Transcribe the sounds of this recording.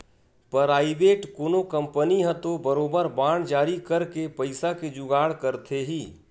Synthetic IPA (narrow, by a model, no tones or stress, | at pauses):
pɾaːɪʋeːʈkoːnokə̃mpəniɦə̃t̪obəɾoːbəɾbaːɽ̃d͡ʒaːɾikəɾkepəɪsaked͡ʒʊɡaːɽkəɾt̪ʰeɦiː